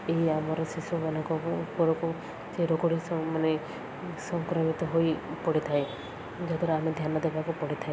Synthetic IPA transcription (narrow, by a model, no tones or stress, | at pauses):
eiamaɾɔsisɔbanakɔpɔɾɔku | t͡ʃeɾokɔɽisɔmane | sɔŋkɾɔmit̪ɔɦojpɔɽit̪ʰaj | d͡ʒad̪ʱɔɾaamed̪ʱjanɔd̪ebakupɔɽit̪ʰae